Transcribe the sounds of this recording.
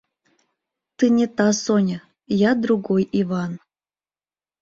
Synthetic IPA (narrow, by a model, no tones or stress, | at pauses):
t̪ɨnʲet̪ɑsonʲə | jad̪ɾuɡojivɑn